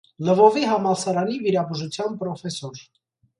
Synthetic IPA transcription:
ləvɔviɦɑmɑlsɑɾɑniviɾɑbuʒut͡sʰjɑnpɾɔfɛsɔɾ

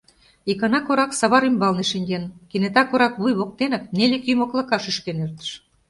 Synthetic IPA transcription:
ikɑnɑkoɾɑksɑβɑɾymbɑlneʃeŋɡenkinet̪ɑkoɾɑkβujβok̚t̪enək̚nelekyjmoklɤ̆kɑʃyʃkenert̪ə̥ʃ

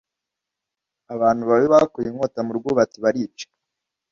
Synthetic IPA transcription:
aβaːnhuβaβiβakujiŋhotamuɾɡuːβat͡siβaɾiːt͡ʃe̥

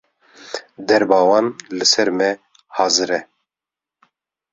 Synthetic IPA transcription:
d̪ɛɾbɑːwɑːnlɨsɛɾmɛ | hɑːzɨɾɛ

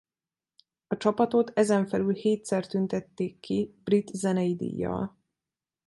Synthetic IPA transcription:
ɒt͡ʃɒpɒt̪o̞t̪ɛzɛɱfɛlylheːt̪sɛrt̪ynt̪ɛt̪ːeːkːibrit̪zɛnɛjid̪ḭjːɒ̰l

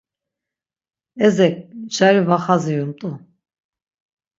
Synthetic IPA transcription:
ɛzɛk̚ʼd͡ʒaɾivaχazijunt̪ʼu

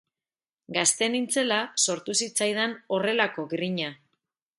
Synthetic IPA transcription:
ɡast̪e̞nint͡se̞laso̞ɾt̪usit͡sajð̞eno̞re̞lako̞ɡriɲa

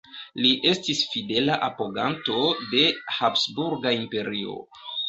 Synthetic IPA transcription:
liʔe̞stisfide̞laʔapo̞ɡanto̞de̞hapsbuɾɡaimpe̞ɾio̞̰

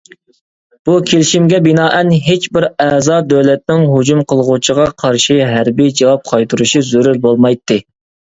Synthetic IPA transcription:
b̥ukʲʰelɪʃimɡʲɛbɪnɑːʔɛnɦet͡ʃbɪɾɛzɑːd̪øwlɛt̪̚nɪŋɦud͡ʒumqʰəlˠʁʊt͡ʃʰəʁɑqʰɑɾʃiɦæɾbid͡ʒɑwɑp̚qʰɑjt̪ʰuɾuʃizyɾyɾbolˠmɑjt̪ʰːɨ

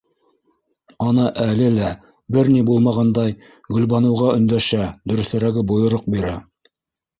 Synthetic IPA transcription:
ɑnɤʔælɘlæ | bɘɾnibulˠmɑʁɑnd̪ɑj | ɡɵ̆lβɑnɤ̆wʁɑɵ̆nd̪æʃæd̪ɵ̆ɾɵ̆θɘ̆ɾæɡɘbŏjŏɾoq̚biɾæ

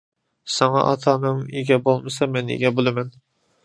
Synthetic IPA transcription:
sɑŋɑ̰ʔɑ̰t̪ʰɑːnɨŋiɡʲɛbolˠmɨsɑmɛnḭɡʲɛbolˠɨmɛn

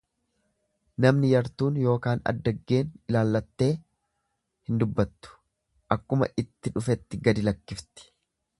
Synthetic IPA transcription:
nɐmnɪjɐɾt̪uːnjo̞ːkaːnɐ̰d̪ːɐɡːe̞ːnɪlaːlːɐt̪ːe̞ː | hɪnd̪ʊbːɐt̪ːʊ̥ | ʔɐkːʊmɐ̰ʔɪt̪ːɪᶑʊfɛt̪ːɪɡɐd̪ɪlɐkːɪft̪ɪ̥

